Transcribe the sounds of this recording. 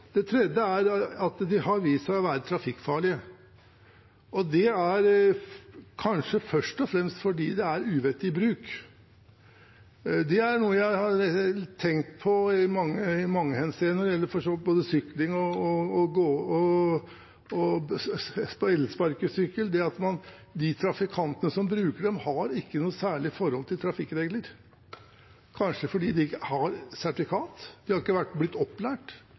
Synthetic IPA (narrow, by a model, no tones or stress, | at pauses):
d̪̥ɛt̪ʰɾɛd̪əæɾɑt̪d̪ɪɦɑɾʋiːsæɔʋæːɾət̪ʰɾɑfɪkːfɑːɭɪə | ɔd̪ɛæɾ | kʰɑnʂəfœʂʈɔfɾɛmst̪fɔɖiːd̪ɛæɾʉːʋɛt̪ːɪɪbɾʉːk | d̪ɛæɳuːəjæɪhɑɾt̪ʰɛŋt̪pʰɔɪmɑŋːəɪmɑŋːəhɛnseːnɔɾɪjɛlːəɾfɔʂɔboːd̪əsʏklɪŋɔːɡoːɔ | ɔ | spɔɛlːəspɑɾkəsʏkːəld̪ɛɑt̪mɑn | d̪ɪt̪ʰɾɑfɪkʰɑnt̪ənəsɔmbɾʉːkəɖɛmhɑɾɪkːənuːəsæːɭɪfɔɾhɔlt̪ʰɪlt̪ʰɾɑfɪkːɾeːɡləɾ | kʰɑnʂəfɔɖiːd̪ɪɪəhɑɾsæʈɪfɪkʰɑːt̪d̪̥ɪhɑɾɪkːəʋæʈːblɪt̪ːɔpːlæːʈ